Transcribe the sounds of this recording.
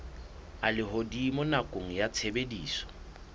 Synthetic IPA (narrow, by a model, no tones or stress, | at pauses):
alɪɦodimʊnakʼoŋ̩jat͡sʰebediːsɔ̥